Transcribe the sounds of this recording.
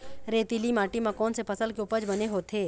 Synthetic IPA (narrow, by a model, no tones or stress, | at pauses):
ɾeːt̪ilimaːʈimãkɔːnsepʰɐsəlkeʊpəd͡ʒbɐneɦot̪ʰeː